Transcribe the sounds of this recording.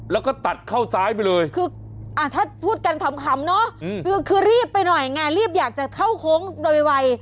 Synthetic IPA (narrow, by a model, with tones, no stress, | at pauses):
lɛː˦˥wkɔː˥˩t̪a˨˩t̪̚kʰa˥˩wsaː˦˥jpa˧jlɤː˧jkʰɯː˧ | ʔa˧˩t̪ʰaː˥˩pʰuː˥˩t̪̚ka˧nt̪ʰa˧˦mkʰa˨˦mnɔ˦˥˧kʰɯː˧kʰɯː˧ɾiː˥˩pːa˧jnɔ˨˩jŋaː˧ɾiː˥˩p̚jaː˨˩k̚t͡ɕa˨˩kʰa˥˩wkʰoː˦˥ŋdoː˧jwa˧j